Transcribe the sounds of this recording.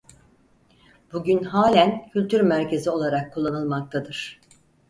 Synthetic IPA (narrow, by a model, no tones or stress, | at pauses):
buɟynɦaːlʲæncʰylʲt̪ʰyɾmæɾce̞zio̞lˠaɾakʰːulˠːanɯlˠmak̚t̪ʰad̪ɯɾ̥